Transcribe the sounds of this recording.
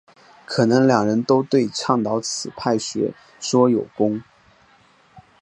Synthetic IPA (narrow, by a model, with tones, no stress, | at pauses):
kʰɤ˨˩nɤ˧˥ŋljɑ˨˩ŋɻə˧˥nt̪o˥ʊt̪we˥˧ɪʈ͡ʂʰɑ˥˩ŋt̪ɑ˧˥ʊt͡sʰɹ̩˨˩pʰa˥˩ɪɕɥɛ̰˧˥ | ʂwɔ˥jo˨˩ʊkʊ˥ŋ